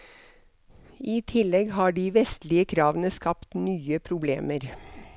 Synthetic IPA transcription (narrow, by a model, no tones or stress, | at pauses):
iːt̪ʰɪlɛɡhɑːɖiːʋɛst̪lɪəkʰɾɑːʋənəskɑpt̪nyːəpʰɾʊbleːməɾ